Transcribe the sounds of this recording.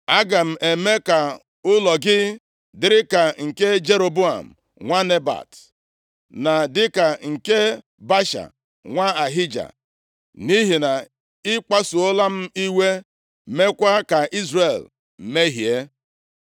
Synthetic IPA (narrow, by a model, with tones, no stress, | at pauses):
a˦ɡa˨m̩˨e˨me˦ka˨ | ʊ˦lɔ˨ɡɪ˦ | dɪ˨˦ɾɪ˦ka˨ŋ̩˨ke˦d͡ʒe˦ɾo˨bu˦a̰˨m̩˨ | ŋʷa˦ne˦ba̰˨t | na˨dɪ˦ka˨ŋ̩˨ke˦ | ba˦ʃa̰˨ | ŋʷa˦a˨ɦi˦d͡ʒa̰˨ | ni˦ɦi˨na˨ | ɪ˦k͡pa˦su˨o˦la˦m̩˦i˦we˦ | me˦kʷa˦ka˨ʔi˦zre˨l | m̩˨me˦ɦi˨e˦